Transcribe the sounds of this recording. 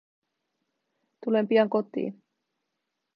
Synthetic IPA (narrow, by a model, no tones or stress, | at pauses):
t̪ule̞mpiɑŋko̞t̪ḭːn